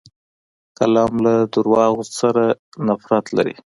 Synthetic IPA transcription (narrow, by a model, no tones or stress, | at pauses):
kalɑmlad̪uɾwɑɣosaɾanafɾat̪la̰ɾḭ